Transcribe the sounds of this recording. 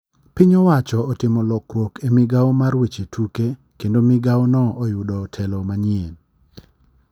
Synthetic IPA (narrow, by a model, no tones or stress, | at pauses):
pɪɲɔwat͡ʃɔːtɪmɔlɔkrwokʰemɪɡaɔmarwet͡ʃetʰuke | kendomɪɡawnɔʔːjʊdɔtʰɛlɔmaɲɪen